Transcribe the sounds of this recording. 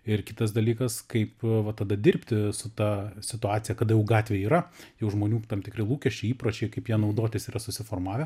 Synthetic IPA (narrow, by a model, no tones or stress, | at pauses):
ɪrkʲɪt̪ɐsd̪ɐlʲiːkɐskɐɪpʋɐt̪ɐd̪ɐd̪ʲɪrʲpʲt̪ʲɪsʊt̪ɑsʲɪt̪ʊɑːtt͡s̪ʲɪjɛkɐd̪ɐjɛʊɡɑːt̪ʲʋʲeːiːɾɐjɛʊʒmoːnʲuːt̪ɐmt̪ʲɪkɾʲɪlˠuːkʲɛʃʲt͡ʃʲɛɪiːpɾoːt͡ʃʲɛɪkɐɪpjiɛnɐʊd̪oːt̪ʲɪsiːrɐsʊsʲɪfoːrmɑːʋʲɛ